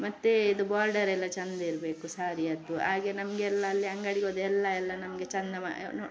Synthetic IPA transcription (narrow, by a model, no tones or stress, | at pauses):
mɐt̪ːeid̪ubaːɾɖɐɾɛlːɐt͡ʃɐnd̪ɐiɾɐbe̞ːkusaːɾiɐd̪uaːɡenɐmɐɡeɛlːɐːlːiɐŋɡɐɽiɡoːd̪uɛlːɐɛlːɐnɐmɐɡet͡ʃɐnd̪ɐma̰